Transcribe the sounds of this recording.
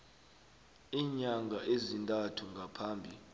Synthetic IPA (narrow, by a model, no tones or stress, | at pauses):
iːɲaŋɡʱaʔezintʼatʰuŋɡʱapʰaːmbʱi